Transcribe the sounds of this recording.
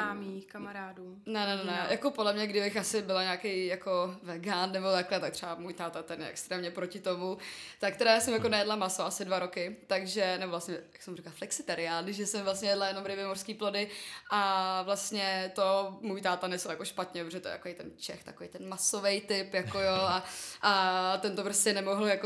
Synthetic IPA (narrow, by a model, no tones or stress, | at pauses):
amixkamaɾaːduː | nɛnɛnɛnɛjʔako̞podlɛmɲɛɡdɪbɪxʔasɪbɪlaɲaːkejjakovɛɡaːnːɛbo̞t̪aklɛt̪ak̚t̪r̥ɛamuːjt̪aːt̪at̪ɛnjɛ̰ʔɛ̰kst̪ɾɛːmɲɛpɾocɪt̪o̞mut̪akt̪ɛdɾajaːsɛmjakonɛjɛdlamasoasɪdvaɾo̞kɪt̪aɡʒɛnɛbo̞vlast̪ɲɛjaksɛmurɪklaflɛksɪt̪ɛɾɪaldɪʒʒɛsɛmvlast̪ɲɛjɛdlajɛno̞mɾɪbɪmorskiːplodɪʔavlast̪ɲɛt̪omuːjt̪aːt̪anɛslojako̞ʃpat̪ɲɛppɾoʒɛt̪ojɛ̰t̪akoejt̪ɛnt͡ʃɛ̰xt̪ḁkovḛjt̪ɛnmasovɛjt̪ɪpjakojoʔaʔat̪ɛnt̪opɾoscɛnɛmoɦl̩jako